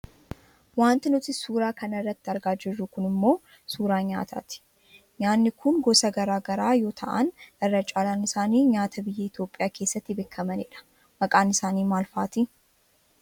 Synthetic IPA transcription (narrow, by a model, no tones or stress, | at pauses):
waːnt̪ɪnʊt̪ɪsuːɾaːkɐnɐrːɐt̪ːɪɐɾɡaːd͡ʒɪrːʊkʊnɪmːo̞ː | suːɾaːɲa̰ːt̪ʰa̰ːt̪ɪ̥ | ɲaːnːɪkʰʊnɡɔsɐɡɐɾaːɡɐɾaːjo̞ːt̪ʰɐ̰ʔɐ̰nɛrːɐt͡ʃʼaːlaːnɪsaːniːɲaːt̪ɐbɪjːɛɪt̪jo̞ːpʼɪjaːke̞ːsːɐt̪ːɪbeːkʰːɐmɐnɪᶑɐ̥ | mɐkʼaːnɪsaːniːmaːlfa̰ːt̪i